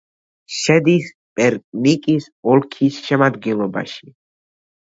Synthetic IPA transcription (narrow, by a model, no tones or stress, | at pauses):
ʃɛd̪is | pʼɛɾkʼnikʼis | ɔlkʰisʃɛmad̪ɡɛnlˠɔba̰ʃi̥